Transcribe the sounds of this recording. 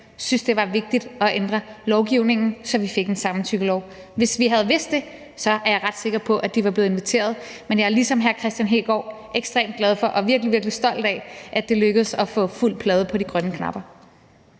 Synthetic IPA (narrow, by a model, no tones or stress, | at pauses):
synsd̥e̝ʋɑ̈ʋe̝ɡ̥̚d̥id̥ɒ̽ʔend̥ʁɐlɒʊɡ̥iʊne̝ŋn̩sɒ̽ʋife̝ɡ̥e̝nsɑ̈mn̩t͡sʰyɡ̥əlɒʊʋe̝sʋiɦæð̞ˠʋe̝sd̥e̝ | sɒ̽æɐjɑ̈ɪʁɑ̈d̥se̝ɡ̥ɐpʰɒ̽ʔæd̥iʋɑ̈b̥le̝ːð̩ˠenʋit͡sʰe̝̰ːɐð̞̩ˠmenjɑ̈æɐlisɒ̽mɦæɐkʰʁɛsd̥jænɦe̝ːɡ̥ɒ̰ːʔeɡ̥sd̥ʁḛːmd̥̚ɡlɛð̞ˠfɒ̽ʔɒ̽ʋiɐɡ̥liʋiɐɡ̥lisd̥ɒ̽l̰d̥ɛʔæ̥d̥e̝løɡ̥əð̞̩ˠsɒ̽fɔ̰̽ːful̰̥pʰlɛːð̞ˠəpʰɒ̽ɾ̥iɡ̥ʁɶnəkʰnɑ̈b̥ɐ